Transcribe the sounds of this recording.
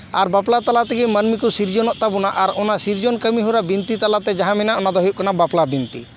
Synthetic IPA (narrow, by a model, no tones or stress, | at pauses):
aɾbaplat̪alat̪ɛɡimənmikusiɾd͡ʒɔnɔʔt̪abunaʔaɾɔnasiɾd͡ʒɔnkəmiɦuɾabint̪it̪alat̪ɛd͡ʒaɦãmɛnaɔnad̪ɔɦjuʔ̚kɔnabaplabint̪ḭ